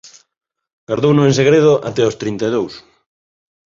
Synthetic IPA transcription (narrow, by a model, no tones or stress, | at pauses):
ɡ̥aɾðownʊẽnseɣɾeð̞oʔa̰t̪ɛost̪ɾint̪aðows